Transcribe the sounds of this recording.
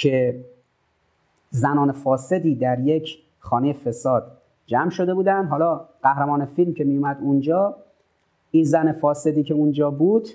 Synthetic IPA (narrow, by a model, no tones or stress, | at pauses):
cʰe | zænɒːnefɒːse̞d̪iːd̪æɾje̞cʰ | χɒːne̞jefe̞sɒːd̪ | d͡ʒæmʃo̞d̪e̞buːd̪ænd̪ɦɒːlɒːɢ̥æhɾæmɒːne̞filmcʰe̞mijumæd̪und͡ʒɒː | inzænefɒːse̞d̪iːcʰeund͡ʒɒːbuːd̪̥